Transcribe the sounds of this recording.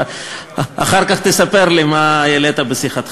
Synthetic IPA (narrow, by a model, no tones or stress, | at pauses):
a̰χaʁkaχt̪esapeʁlimajelet̪abesiχat̪